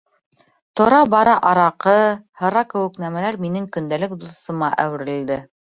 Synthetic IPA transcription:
t̪ŏɾɑbɑɾɑʔɑɾɑqɤhɤ̆ɾɑkɘ̆wɘ̆knæmælæɾminɘŋkɵ̆nd̪ælɘkd̪uθɤ̆mɑʔæ̰wɘ̆ɾɘ̆ld̪ɘ

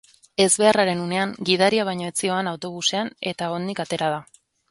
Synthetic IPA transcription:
e̞zβe̞araɾe̞nune̞aŋɡið̞aɾiaβ̞ajɲo̞e̞t͡sio̞anawt̪o̞β̞use̞ane̞t̪ao̞nd̪ikat̪e̞ɾaða

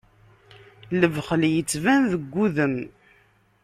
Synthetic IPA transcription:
ləvχəljət͡sːvænðəɡʷːuðən

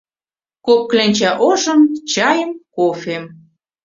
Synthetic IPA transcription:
kop̚klenʲt͡ɕæʔoʒə̆mt͡ɕɑjəmkofem

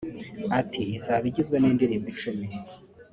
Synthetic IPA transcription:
atiːzaβiɟizɡweniːndiɾiːmbit͡ʃumi

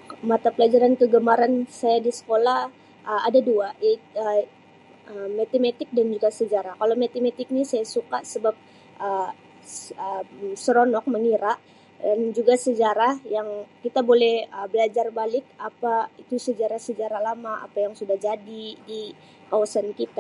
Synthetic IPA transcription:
mat̪apəlad͡ʒaɾankəɡəmaɾansajadisə̥kolah | əadaduaʔiə | əmat̪imet̪ɪk̚dand͡ʒuɡasəd͡ʒaɾakalawmet̪imet̪ɪk̚nisajasukaʔsəbap̚ | ʔə | əsəɾonɔk̚məŋiɾaʔ | dand͡ʒuɡasəd͡ʒaɾahjaŋkit̪abolɛhəbəlad͡ʒarbalɪk̚apait̪usəd͡ʒaɾahsəd͡ʒaɾalamaʔa̰pajaŋsudahd͡ʒadidi | kawasankit̪a

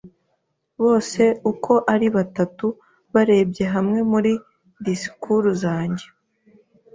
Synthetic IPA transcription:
βo̞ːse̞ukʰo̞ʔaɾiβatatu | βaɾe̞ːbɟe̞ɦamŋe̞muɾi | disi̥kʰuɾuzaːɲɟe̞

